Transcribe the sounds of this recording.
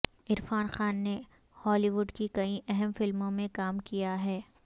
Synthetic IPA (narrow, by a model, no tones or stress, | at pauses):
ɪɾfaːnxaːnːe | hɔːliʋʊɖkikɐĩʔɛɦɛmfɪlmõmẽkaːmkijaɦɛː